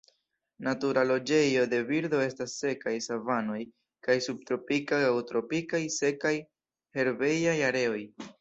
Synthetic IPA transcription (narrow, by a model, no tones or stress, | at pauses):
natuɾalo̞d͡ʒe̞jo̞de̞viɾdo̞e̞stasːe̞kajsavano̞j | kajsub̚t̪ɾo̞pikajawtɾo̞pikajse̞kaj | he̞ɾve̞jajaɾe̞o̞j